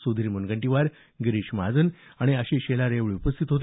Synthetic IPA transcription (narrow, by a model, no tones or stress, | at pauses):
sud̪ʱiɾmunɡəɳʈiʋaɾ | ɡɾiɕmad͡zən | aɽ̃iəɕẽɕelaɾeʋɭiupəst̪ʰit̪ɦot̪